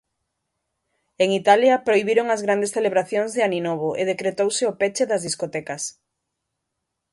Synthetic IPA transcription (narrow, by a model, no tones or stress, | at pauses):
eŋit̪aljɐpɾoiβiɾoŋɐzɣɾand̪esθeleβɾaθjõŋzðeaninoβ̞oʔeðekɾet̪owsɪopet͡ʃeðɐzðiskot̪ɛkɐs